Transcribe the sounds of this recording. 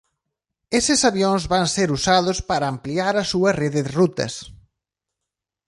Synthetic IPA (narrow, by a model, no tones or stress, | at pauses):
esɪsaβjõŋzβaŋseɾusaðʊspaɾaːmpliaɾɐsuɐreðɪðrut̪ɐ̰s